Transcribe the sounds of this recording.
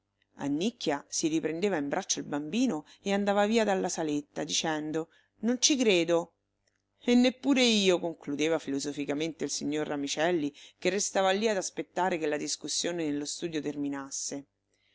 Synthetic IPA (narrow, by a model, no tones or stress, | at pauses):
a̰nːikːjasiɾipɾend̪eːvaimbɾʔat͡ʃːoilbambiːno | eand̪aːvaviːad̪alːasalet̪ːad̪it͡ʃɛnd̪o | nont͡ʃikɾeːd̪o | enːepːuːɾeiːokoŋklud̪eːvafilozofikament̪eilsiɲːorːamit͡ʃɛlːikerːest̪aːvalːiad̪aspet̪ːaːɾekelad̪iskusːjoːnenelːost̪uːd̪jot̪erminasːe